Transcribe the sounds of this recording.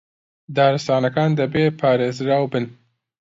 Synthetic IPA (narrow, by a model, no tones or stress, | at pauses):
d̪ɑːɾɪsɑːnakɑːnd̪əbeːpʰɑːɾezɾawbɪn